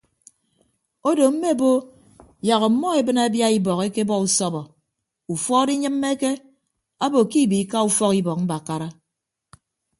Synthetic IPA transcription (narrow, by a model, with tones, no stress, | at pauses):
o˦do˨m̩˦me˦˨bo˦ | ja˨ɣɔ˨mɔ˦e˨bɨ˦na˦bja˦i˦bɔ˨ke˦ke˦bɔ˦u˨sɔ˦bɔ˨ | u˨fɔ˦di˦ɲɨ˦m̩ː˦e˦ke˦ | a˦bo˨ki˦˨bi˨ka˦u˦fɔ˦ki˦bɔ˨k̚m̩˦ba˨ka˦ɾa˦